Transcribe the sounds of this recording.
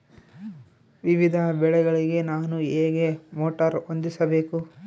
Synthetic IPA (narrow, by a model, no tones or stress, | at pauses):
ʋiʋid̪ʱɐbɛɭɛɡɐɭiɡe̞naːnueːɡe̞moːʈɐɾond̪isɐbe̞ːku